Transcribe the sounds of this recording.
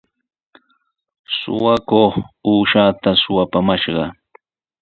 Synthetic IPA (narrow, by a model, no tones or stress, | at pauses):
sʊ̰wakoχuːʃaːt̪asʊwapamaʃɢɑ